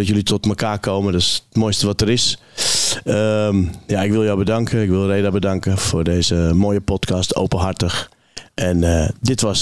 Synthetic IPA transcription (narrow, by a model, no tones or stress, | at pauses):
ɔtjølitʰɔtməkʰaːkʰoːmədɔstmoːjstəʋɔtəɾɪs | əmjaɪkʋɪlˠjowbədaŋkʰəɪkʋɪlˠreːdabədaŋkəfoːrdeːzəmoːjəpɔtkʰɑstʰo̰wpənɦartəx | ʔɛndɪtʋɔs